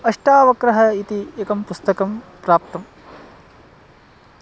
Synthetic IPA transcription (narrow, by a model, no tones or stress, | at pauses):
ɐʂʈaːʋɐkɾɐɦɐit̪ieːkɐmpust̪ɐkɐmpɾaːp̚t̪ɐm